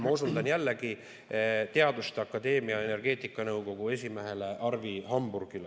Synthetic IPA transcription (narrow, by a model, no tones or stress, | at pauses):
mɑusuld̪ɑnjælːe̞ɡi | t̪e̞ɑd̪̥ust̪eɑkːˑɑd̪e̞ːmiɑe̞ne̞rɡ̥e̞ːt̪ˑikːˑɑnɤwko̞ɡ̥ue̞s̬ʲime̞ɦe̞le̞ʔɑrviɦɑmburɡ̥ile